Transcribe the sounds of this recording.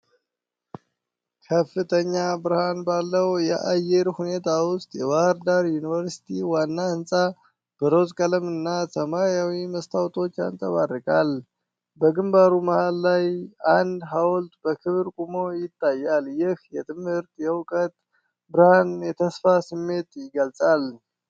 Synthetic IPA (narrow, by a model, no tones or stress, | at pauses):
kʰəfːɨt̪ʰəɲːabɨɾhanbalːəwjɛʔajɛɾhune̞t̪ʰawʊst̪ʼjɛβahɾd̪aɾjunivəɾsi̥t̪ʰiwanːaɨnsʼa | b̥əɾozkʼələmɨnːasəmajawiməst̪ʰawt̪ʰʼo̞t͡ʃːa̰nt̪ʼəβa̰rːɨkʼal | bəɡɨmbaɾuməhalːajand̪ɦawlt̪ʼbəkʰɨβɾkʼumo̞jɪt̪ʰʼːajːaljɪhjɛt̪ʰɨmhɨɾt̪ʼjɛwkʼət̪ | bɨɾhanjɛt̪ʰəsfasɨmːe̞t̪ʼjɪɡəlsʼal